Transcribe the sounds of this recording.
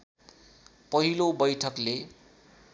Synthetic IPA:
pʌɦilobʌjʈʰʌkle

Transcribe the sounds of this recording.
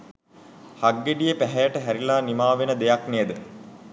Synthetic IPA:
haɡːeɖijəpæɦɛjəʈəɦæɾilaːnimaːʋenəd̪ejakneːd̪ə

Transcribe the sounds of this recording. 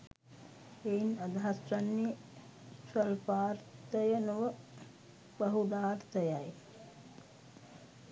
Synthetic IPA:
einad̪aɦasɾanːi | səlpaːɾt̪əjənuʋə | bəɦud̪aːɾt̪əjaj

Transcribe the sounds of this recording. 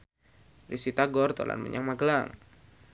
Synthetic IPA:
risit̪aɡɔrt̪ola̰nmə̰ɲaŋmaɡəlaŋ

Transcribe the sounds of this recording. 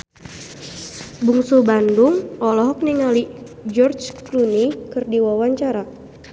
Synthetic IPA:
buŋsubandʊŋɔlɔɦɔk̚niŋalid͡ʒɔrt͡ʃklunikɨrdiwawaɲt͡ʃaɾa

